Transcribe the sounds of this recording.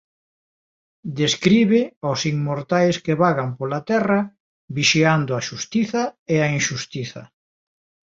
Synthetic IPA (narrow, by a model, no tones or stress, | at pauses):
d̪eskɾiβɪosiŋmoɾt̪ajskeβaɣampolat̪ɛrɐ | βiʃiand̪ʊaʃust̪iθɐeainʃust̪iθɐ̰